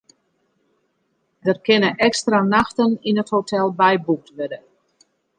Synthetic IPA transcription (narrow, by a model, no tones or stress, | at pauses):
dərkɪnəʔɛkstranaxtəninəthotʰɛlˠbɛjbuk̚tʋødə